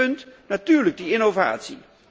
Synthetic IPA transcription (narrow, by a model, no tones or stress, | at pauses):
ønd̥næt͡syɐ̰liɡ̥̚d̥ienofa̰ːt͡sʰḭ